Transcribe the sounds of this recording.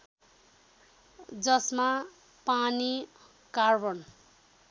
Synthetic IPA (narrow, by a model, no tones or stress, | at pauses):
d͡zʌsma | pani | karbʌn